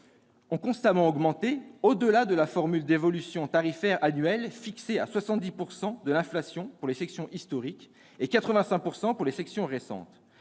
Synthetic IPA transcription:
ɔ̃kɔ̃st̪amɑ̃ɔɡmɑ̃t̪eod̪əlad̪əlafɔʁmyld̪evɔlysjɔ̃t̪aʁifɛʁanɥɛlfiksea̰swasɑ̃t̪̚d̪ipuʁsɑ̃d̪əlɛ̃flasjɔ̃puʁlefɛksjɔ̃ʔist̪ɔʁik | ekat̪χəvɛ̃sɛ̃k̚puʁsɑ̃puʁlefɛksjɔ̃ʁesɑ̰̃t̪

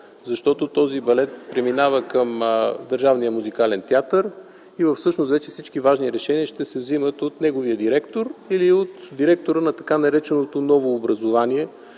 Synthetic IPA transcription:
zɐʃt̪ɔt̪ot̪ɔzibɐlɛt̪̚pɾɛminavəkəmd̪əɾʒavnijəmuzikalɛnt̪ʲiat̪əɾ | ivəfsɤʃnost̪vɛt͡ʃɛfsit͡ʃkivaʒniɾɛʃɛniəʃt̪ɛsɛvzimət̪ot̪nɛɡoviəd̪iɾɛkt̪oɾiliot̪d̪iɾɛk̚t̪oɾənɐt̪ɐ̥kanɐɾɛt͡ʃɛnot̪onɔvoːbɾɐzovaniɛ

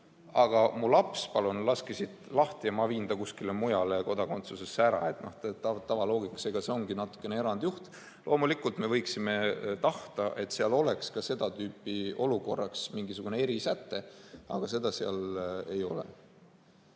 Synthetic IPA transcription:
ɑɡ̥ɑmulɑpspɑlunlɑskisid̪lɑht̪iɑmɑviːnd̪̥ɑkuskilemujɑle̞ko̞d̪̥ɑko̞nt̪suse̞sːæɾɑ̰e̞t̪no̞ht̪et̪ɑt̪ɑvɑlo̞ːɡikːˑɑ̥seɡ̥ɑse̞o̞ŋɡinɑt̪ːˑu̥kːˑe̞neeɾɑnd̪̥juht̪ | lʔo̞ːmulikːˑult̪me̞vɤjksime̞t̪ɑht̪ɑʔe̞t̪ːseɑlo̞le̞kskɑse̞d̪̥ɑt̪yːpːˑio̞luko̞rːɑksmiŋɡisuɡ̥unee̞ɾisæt̪ːe̞ɑ̰ɡ̥ɑse̞d̪̥ɑseɑ̰le̞jo̞lḛ

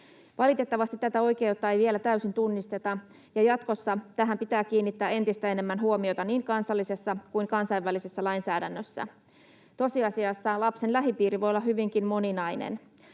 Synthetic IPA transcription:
ʋɑlit̪e̞t̪ːɑʋɑst̪it̪ːæt̪æo̞jke̞ut̪ːɑejʋielæt̪æysint̪unːist̪e̞t̪ɑ | jɑjɑt̪ko̞sːɑt̪æɦæmpit̪æːk̟iːnːit̪ːæːe̞nt̪ist̪æe̞ne̞mːænɦuomio̞t̪ɑniːŋkɑnsɑlːise̞sːɑkuiŋkɑnsɑiʋːælisesːælɑinsæːdænːøsːæ̰ | t̪o̞siɑsiɑsːɑlɑpsenlæɦipiːɾiʋo̞jolːɑhɦyʋiŋkimmo̞ninɑjnḛn

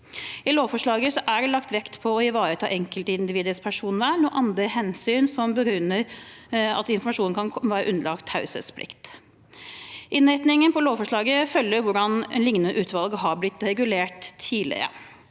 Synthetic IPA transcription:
ɪloːfɔʂɭɑːɡəsɔʔæɖɛlɑkt̪ʋɛkt̪pʰɔɔɪʋɑːɾət̪ʰɑ̰ːʔɛŋkəlt̪əɪnd̪ɪʋiːd̪əspʰæʂuːnʋɛnuʔɑnd̪ɾəɦɛnsyːnsɔmbəɡɾʉnːəɾ | ɑ̰t̪ɪnfɔɾmɑʂuːnkʰɑnʰɔʋæːɾəʔʉnəlɑkt̪hɑʉsə̰spʰlɪ̰kt̪ | ʔɪnæɪt̪nɪŋənpɔloːfɔʂɭɑːɡəfœlːəɾʋʊɖɑnnlɪŋnʉʔʉːt̪ʰʋɑlɡəɦɑɾblɪt̪ːɾɛɡʉleːʈ̪ʰːiːlɪ̰ɾə̰

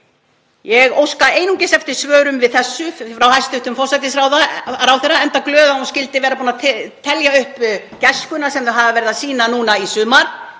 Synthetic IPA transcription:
jɛɣowskaeːjnuŋcɪsɛft̪ɪɾ̥svœːɾʏmvɪðθɛsːʏfɾawhajst̪ʏht̪ʏmfɔr̥sajt̪ɪsɾawðaɾawθɛraɛnt̪aklœːðaascɪlt̪ɪvɛːɾapunat̪ʰɛljaʏhp | cɛskʏnasɛmθɛɦavavɛɾɪðasiːnanuːnaisʏːmaɾ̥

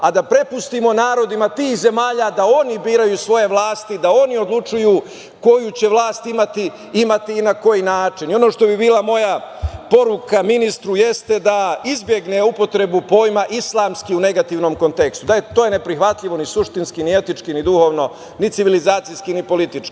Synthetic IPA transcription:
ad̪apɾe̞pust̪imo̞naːɾo̞d̪imat̪iːxze̞maːʎad̪ao̞nibiːɾajuːsʋo̞je̞ʋlˠaːst̪id̪ao̞nio̞d̪lˠut͡ʃujuː | ko̞jut͡ɕe̞ʋlˠaːst̪imat̪i | imat̪iːnako̞jinaːt͡ʃinio̞no̞ːʃt̪o̞bibiːlamo̞japo̞ɾukaminist̪ɾuje̞st̪ed̪aizbje̞ɡne̞upo̞t̪ɾe̞bupo̞ːjmaʔislˠaːmskiune̞ɡat̪iʋno̞mko̞nt̪e̞kst̪ud̪ajet̪o̞ːjene̞pɾixʋat̪ʎiʋo̞nisuʃt̪inskinie̞t̪it͡ʂkinid̪uho̞ːʋno̞ | nit̪siʋilizaːt̪sijskinipo̞lit̪it͡ʃki̥

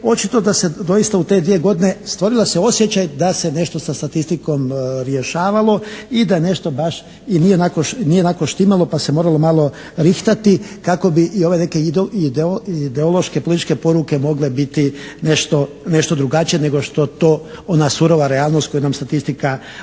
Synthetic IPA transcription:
o̞t͡ʃit̪o̞d̪ase̞d̪o̞jist̪aut̪e̞d̪ʋije̞ɡo̞d̪ine̞st̪ʋo̞ɾilaseo̞sje̞t͡ʃajd̪ase̞ne̞ʃt̪o̞sast̪at̪ist̪iko̞mɾje̞ʃaːʋalo̞id̪ajene̞ʃt̪o̞baʃ | inije̞nako̞ʃnije̞nakoʃt̪imalo̞pase̞mo̞ɾalo̞maːlˠo̞ | ɾixt̪at̪ikako̞biʔio̞ʋe̞ne̞ke̞d̪id̪eoid̪eolo̞ʃkepolit̪it͡ʃke̞po̞ɾuke̞mo̞ɡle̞bit̪ine̞ʃt̪o̞ | ne̞ʃt̪o̞d̪ɾuɡat͡ʃijene̞ɡo̞ʃt̪o̞t̪o̞ːonasuɾo̞ʋaɾeaːlnost̪ko̞junamst̪at̪ist̪ika

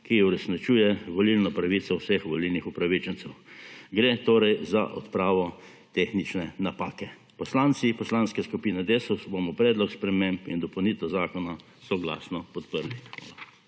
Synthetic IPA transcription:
kiuɾɛsnit͡ʃuːjɛʋɔlilnɔpɾaʋiːt̪sɔwsexʋɔlilnixupɾaʋit͡ʃənt̪sɛwɡɾeːt̪oːɾɛjza̰ʔɔ̰t̪pɾaːʋɔ | t̪exnit͡ʃnɛnapaːkɛ | pɔslaːnt̪sipɔslanskɛskupiːnɛd̪esusbomɔpɾɛːd̪lɔkspɾɛmempḭnd̪ɔpɔwnit̪ɛwzaːkɔna | sɔɡla̰ːsnɔpɔt̪pəɾlixʋa̰ːla

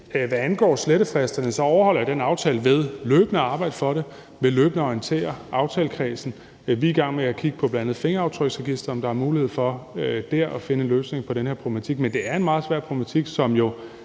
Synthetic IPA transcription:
ʋæænɡ̥ɒ̰ːsleɾəfʁɛsd̥ɐnəsɒ̽ɒʊɐhɒ̽l̰ɐjad̥enɑ̈ʊt͡sʰɛ̰ːləʋeð̞ˠløːb̥ənəɑ̈ːb̥ɑ̈ɪd̥əfɒ̽ɾe̝ | ʋe̝løːb̥nəɒint͡sʰe̝̰ːɐʔɑ̈ʊt͡sʰɛːləkʰʁɛːsn̩ | ʋiːɡ̥ɑ̈ŋ̰meækʰiɡ̥ə̥pʰɒ̽b̥lænænð̩ˠfe̝ŋɐɑ̈ʊt͡sʰʁœɡ̥sʁɛɡ̥isd̥ɐɒ̽md̥ɑ̈æɐmuːlihe̝ð̰ˠfɒ̽d̥æɐ̰ʔæfe̝nəløːsne̝ŋpʰɒ̽ɾenheɐpʰʁob̥lemæt͡sʰiɡ̥̚mend̥e̝æɐe̝nmɑ̈ːð̞̩ˠsʋæɐ̰pʰʁob̥lemæt͡sʰiɡ̥sɒ̽mjo̝

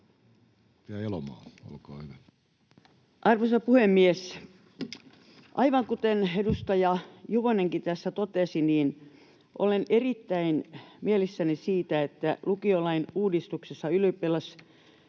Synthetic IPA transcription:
piæelomɑ̰ːo̰lkɑ̰ːhyʋæ | ʔɑrʋosɑpuhemːies | ʔɑiʋɑŋkut̪enedust̪ɑjɑjuʋoneŋkit̪æsːæt̪ot̪esiniːn | ʔo̰lenerit̪ːæinmielisːænisiːt̪æet̪ːælukiolɑinuːdist̪uksesːɑyløpːelɑs

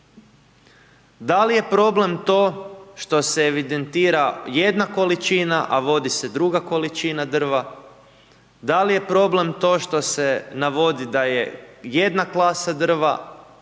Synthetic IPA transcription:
d̪alije̞pɾo̞ble̞mt̪o̞ːʃt̪o̞seːʋid̪e̞nt̪iːɾaje̞d̪nako̞lit͡ʃinaʔaʋo̞d̪ise̞d̪ɾuɡako̞lit͡ʃinad̪r̩ʋa | d̪alije̞pɾo̞ble̞mt̪o̞ːʃt̪o̞se̞naʋo̞d̪id̪aje̞je̞d̪naklˠaːsad̪r̩ʋa̰

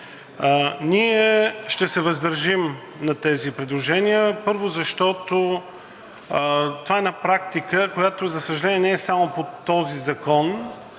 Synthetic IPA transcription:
niɛʃt̪ɛsɛvəzd̪ɐɾʒim | nɐt̪ɛzipɾɛd̪lˠoʒɛniəpɤɾvozɐʃt̪ɔt̪o | t̪ovaɛnapɾak̚t̪ikəkojat̪ozɐsəʒɐlɛniɛnɛɛsamopot̪ɔzizɐkɔn

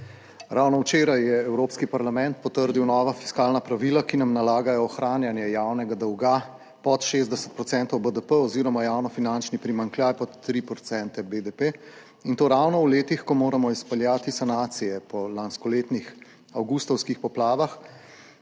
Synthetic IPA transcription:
ɾawnɔwt͡ʃeːɾajːɛɛwɾoːpskipaɾlamɛ̃nt̪̚pɔt̪əɾd̪iwnɔːʋafi̥skaːlnapɾaʋilakinamnalaːɡajɔːxɾaːnjanjɛjawnɛɡad̪ɔwɡa | pɔt̪ʃeːzd̪ɛsə̥t̪̚pɾɔt̪sɛnt̪ɔwbəd̪əpəɔziːɾɔmajawnɔfinant͡ʃnipɾimaŋkljajpɔt̪ːɾipɾɔt̪sɛnt̪ɛbed̪epe | int̪oːɾawnɔwleːt̪ixkɔmoːɾamɔispɛljaːt̪isanaːt̪sijɛpɔlanskɔleːt̪nix | awɡust̪ɔwskixpɔplaːʋax

